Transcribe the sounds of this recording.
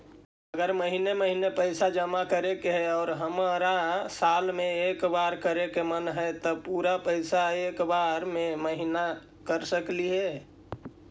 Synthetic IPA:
əɡəɾməɦineməɦinepəɪsad͡ʒəmakəɾekeɦɛɔːɾɦəmɾasaːlmẽeːkbaːɾkəɾekemənɦɛt̪ɔpuːɾapəɪsaeːkbaɾmẽməɦina | kəɾsəkliɦɛː

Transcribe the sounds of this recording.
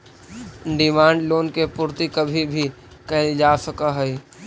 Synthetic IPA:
ɖɪmãːɳɖloːnkepʊːɾt̪ikɐbʱibʱi | kɛɦd͡ʒaːsɐkaɦɛi

